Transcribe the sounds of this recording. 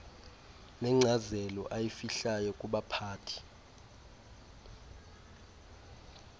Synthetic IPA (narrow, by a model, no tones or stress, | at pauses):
nɛŋ͡ǁʱazɛlɔʔajifiɬajɔkʼuɓapʰaːtʰi̥